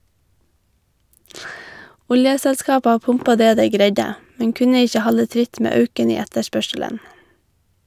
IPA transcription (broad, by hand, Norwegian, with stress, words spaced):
ˈʊljəsɛlˌskɑːpɑ ˈpʊmpɑ ˈdeː ˈdeɪ ˈɡɾeɪɟə ˈmɛŋ ˈkʉnə ˈɪçə ˈhɑlə ˈtɾɪt ˈmeː ˈœʉkən ˈiː ˈɛtəˌʃpœʃələn